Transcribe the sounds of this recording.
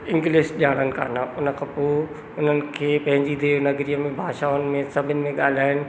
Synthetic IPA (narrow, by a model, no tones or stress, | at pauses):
ɪ̃ŋɡleːsɗaːɽ̤̃ənɪ̆kʰa̰ːnaʊnə̆kʰãːpoː | ʊn̤ənɪ̆kʰeːpɐ̃ɦɪ̃ɲd͡ʑid̪eːnɐɡɾijəmẽbʱaːʃaːʊnɪ̆mẽsɐbʱɪnɪ̆mẽɠaːl̤aːɪnɪ̆